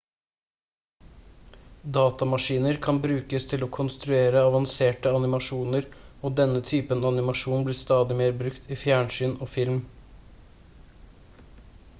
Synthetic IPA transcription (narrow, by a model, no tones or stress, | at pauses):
d̪ɑːt̪ɑmɑʂiːnəɾkʰɑnbɾʉːkəst̪ʰɪloːkʰʊnst̪ɾʉeːɾəɑʋɑnseːʈəɑnɪmɑʂuːnəɾoːd̪ɛnːət̪ʰyːpənɑnɪmɑʂuːnbliːst̪ɑːd̪ɪmeːɾbɾʉkt̪iːfjæːɳsyːnoːfɪlm